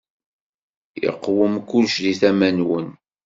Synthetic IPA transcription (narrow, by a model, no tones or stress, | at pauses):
jə̰qːwəmkːulʃðiθæmænwən